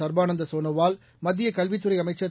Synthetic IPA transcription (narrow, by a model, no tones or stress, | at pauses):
ɐɾbaːnɐnd̪ɐsoːnɐʋaːl | mɐd̪ːɪjɐkɐlʋɪt̪ːɯɾɐɪɐmɐɪt͡ʃːɐ